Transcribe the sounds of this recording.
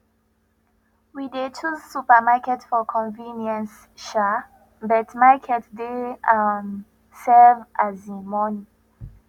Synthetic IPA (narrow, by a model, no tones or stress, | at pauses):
widet͡ʃʰuzsupəmakɛtfɔkʰɔ̃nvĩnjɛ̃ns | ʃa | bɛtmakʰɛtdeam | sɛvazĩmɔnĩ